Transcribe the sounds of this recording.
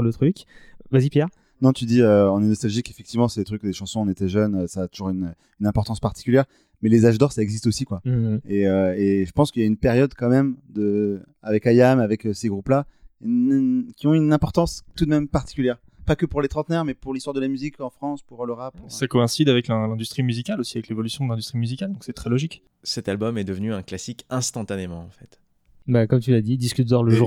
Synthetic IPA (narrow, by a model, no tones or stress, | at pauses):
lət̪χykvazipjɛʁ | nɔ̃t̪yd̪iøɑ̃nɛnɔst̪alʒikefɛkt̪ivmɑ̃sɛd̪et̪χykd̪eʃɑ̃sɔ̃ːnet̪ɛʒœnøsaːt̪uʒuʁynø | ynɛ̃pɔʁt̪ɑ̃spaʁt̪i̥kʲyljɛʁ | mɛlezaʒd̪ɔʁsaɛɡzist̪osikwaeøeʒəpɑ̃skəijaynpɛʁjɔd̪kɑ̃mɛmd̪ə | avɛkajamavɛkseɡʁuplankʲiɔ̃ynɛ̃pɔʁt̪ɑ̃st̪ud̪mɛmpaʁt̪i̥kʲyljɛʁ | pakəpuʁlet̪χɑ̃t̪nɛʁmɛpuʁlist̪waʁd̪əlamyzikɑ̃fχɑ̃spuʁləʁapsakɔɛ̃sid̪avɛklɛ̃lɛ̃d̪yst̪χimyzikʲalosiavɛklevɔlysjɔ̃d̪əlɛ̃d̪yst̪χimyzikʲald̪ɔ̃ŋksɛt̪χɛlɔʒik | sɛt̪albɔmɛd̪əvnyɛ̃klasikɛ̃st̪ɑ̃t̪anemɑ̃ɑ̰̃fɛt̪ | bakɔmt̪ylad̪id̪iskʲyt̪̚d̪ɔʁləʒu